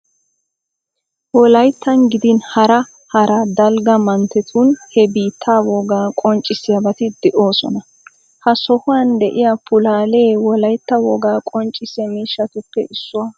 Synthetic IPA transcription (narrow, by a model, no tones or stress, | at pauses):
wɔlɐjt̪ːɐnɡɪd̪ɪnhɐɾɐ | hɐɾɐd̪ɐlɡɐmɐnt̪ɛt̪ʰunhɛbiːt̪ʰːaːwɔɡaːkʼɔnt͡ʃʼːɪsɪjɐbɐt̪ɪd̪ɛʔoːsɔ̰nɐ | hɐsɔhʊwɐnd̪ɛʔɪjɐpʊlaːle̞ːwɔlɐjt̪ːɐwɔɡaːkʼɔnt͡ʃʼːɪsɛmiːʃːɐt̪ʊpːɛ̰ʔɪsːʊwɐ